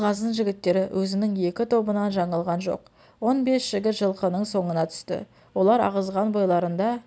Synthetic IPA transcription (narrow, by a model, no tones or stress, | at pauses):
ʁɑzd̪əɴʒɪɡʲɪt̪ːe̞ɾɪwʔɵzɪnɪŋe̞kʲɪt̪ʰo̞bənɑnʒɑɴɑlˠʁɑnʒo̞̰q | wo̞nbe̞sʒ̥ɪɡʲɪt̪ʒəlˠqənəɴso̞ɴənɑt̪ʰʏ̥st̪ɪ̰ | wo̞lˠɑɾɑ̰ʁəzʁɑnbo̞jlˠɑɾənd̪ɑ